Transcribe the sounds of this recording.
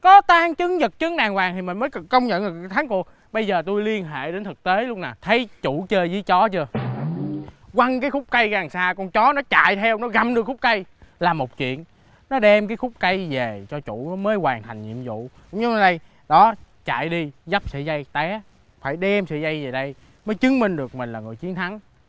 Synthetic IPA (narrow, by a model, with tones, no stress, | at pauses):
kɔ˨˦t̪aː˧ŋt͡ɕɨ˨˦ŋzə˨˩k̚t͡ɕɨ˨˦ŋɗaː˨˩ŋwaː˨˩ŋt̪ʰi˨˩mi˨˩məː˨˦jkə˧wŋ͡mɲə̰˧˨nɗɨ˨˩t̪ʰaː˨˦ŋku˨˩ək̚ | ɓə˧jzəː˨˩t̪u˧jli˧ənɦḛ˧˨ɗe˨˦nt̪ʰɨ˨˩k̚t̪e˨˦lʊ˦˥k͡p̚naː˨˩t̪ʰə˨˦jt͡ɕu˧˩˥t͡ɕəː˧zɨ˧˦t͡ɕɔ˨˦t͡ɕɨ˧ə | kwa˧ŋkaː˨˦jxʊ˦˥k͡p̚kə˧jɣaː˨˩ŋsaː˧kɔ˧˩nt͡ɕɔ˨˦nɔ˨˦t͡ɕa̰ː˧˨jt̪ʰɛ˧wnɔ˨˦ɣa˨˩mɗɨ˨˩ək̚xʊ˦˥k͡p̚kə˧jlaː˨˩mo˨˩k͡p̚t͡ɕwḭ˧˨ən | nɔ˨˦ɗɛ˧mkaː˨˦jxʊ˦˥k͡p̚ka˧jve˨˩t͡ɕɔ˧t͡ɕṵ˧˩˥məː˨˦jwaː˨˩ŋt̪ʰa˨˩jŋ̟ɲḭ˧˨əmzṵ˧˨kʊ̰˧˥ŋ͡mɲə˨˦ʔɗə˧j | ɗɔ˨˦ | t͡ɕa̰ː˧˨jɗi˧za˦˥p̚sɨ̰˧˨za˧jt̪ɛ˨˦ | faː˧˩jɗɛ˧msɨ̰˧˨za˧jve˨˩ɗə˧j | məː˨˦jt͡ɕɨ˨˦ŋmï˧ŋ̟ɗɨ˨˩ək̚mi˨˩ŋ̟laː˨˩ŋɨ˨˩əjt͡ɕi˨˦ənt̪ʰa˨˦ŋ